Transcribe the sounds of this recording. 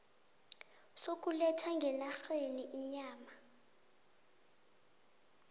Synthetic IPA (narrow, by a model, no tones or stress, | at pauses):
sok̬ʼulɛtʰaŋɡʱɛnaxeniʔiɲaːma